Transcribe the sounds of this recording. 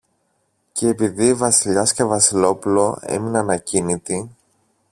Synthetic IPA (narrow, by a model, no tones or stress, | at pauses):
ceːpiðiivɐsiʎɐscevɐsilo̞pulo̞e̞̰minɐnɐcinit̪i